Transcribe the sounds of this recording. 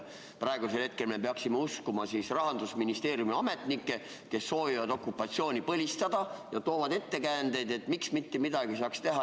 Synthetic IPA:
prɑe̞ɡ̥use̞lhe̞t̪̚ke̞lme̞peɑksimeuskumɑsisrɑɦɑnd̪usminist̪e̞ːɾjumiɑme̞t̪ˑnikˑːe̞ | ke̞sːo̞ːvivɑd̪o̞kˑːupːˑɑt̪sio̞ːnʲipɤlʲist̪ɑd̪̥ɑjɑt̪o̞ːvɑd̪e̞t̪ːe̞kænd̪̥e̞jd̪e̞t̪ːmiksmit̪ːemid̪ɑɡ̥isɑːkst̪e̞ɦɑ

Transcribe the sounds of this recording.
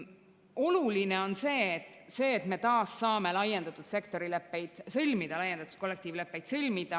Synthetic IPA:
o̞luline̞o̞nse̞ːt̪ːˑse̞ːt̪me̞t̪ɑːsːɑːme̞lɑjend̪̥ɑt̪ːˑud̪̥se̞kt̪o̞ɾilepːe̞jd̪̥sɤlʲmid̪̥ɑlɑjend̪ɑt̪u̥d̪̚ko̞lːe̞k̚t̪iːvle̞pːˑe̞jd̪̥sɤlʲmid̪̥ɑ

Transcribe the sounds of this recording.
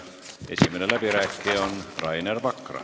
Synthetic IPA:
esimːˑæˑnelæpirækːeːonrɑinerʋɑkːrɑ̰

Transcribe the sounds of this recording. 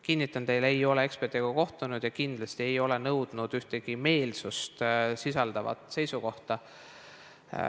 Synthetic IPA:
kinʲːit̪ˑːɑnt̪e̞jlejo̞le̞e̞kspe̞rt̪iɡ̥ɑko̞ht̪unud̪̥jɑkind̪lɑst̪ie̞jo̞le̞nɤwd̪̥nud̪̥yht̪e̞ɡ̥ime̞ːlsust̪sisɑld̪̥ɑvɑ̰t̪ˑse̞jsuko̞ht̪ɑ

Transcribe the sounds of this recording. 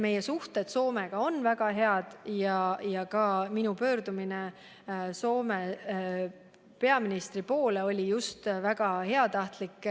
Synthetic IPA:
me̞jesuht̪et̪so̞ːmeɡ̥ɑo̞nvæɡ̥ɑɦe̞ɑd̪̥jɑjɑkɑminupø̞ːɾd̪umine | so̞ːme | pe̞ɑminist̪ɾipo̞ːle̞o̞lʲijust̪væɡ̥ɑhe̞ɑt̪ɑht̪likːˑ

